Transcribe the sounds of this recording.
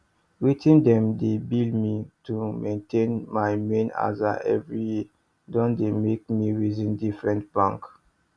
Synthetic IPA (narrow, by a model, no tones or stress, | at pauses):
witĩndɛ̃mdebildmitumẽntʰẽnmajmẽna̰zaʔɛ̰vɹiji | dɔ̃ndemek̚miɹizĩndifɹɛ̃nt̚b̥ãŋk